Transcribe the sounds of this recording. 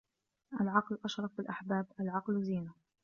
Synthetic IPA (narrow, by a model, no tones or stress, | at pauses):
ʔalʕɑqlʔaʃɾˤɑfbɪlʔaħbaːbʔalʕɑqlziːna